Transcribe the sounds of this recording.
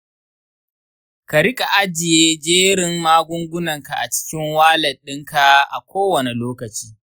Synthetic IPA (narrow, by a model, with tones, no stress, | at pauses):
ka˨ɽɪ˦kʼa˨ʔa˦d͡ʒɪ˨jeː˦d͡ʒeː˦ɽɪ˨mmaː˦ɡʷʊ˦ŋɡʷʊ˦nɐ˨ŋka˨ʔa˨t͡ʃɪ̥˦kʲɪ˦ŋwaː˦lɐ˨ɗɪ˦ŋka˨ʔa̰˨kʷoː˦wɐ˨ne˨loː˦kɐ˨t͡ʃiː˦